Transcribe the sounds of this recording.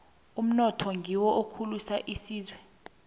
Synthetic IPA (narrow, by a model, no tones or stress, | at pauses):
um̩nɔtʰɔŋɡʱiwɔʔokʰulusaʔisiːzwɛ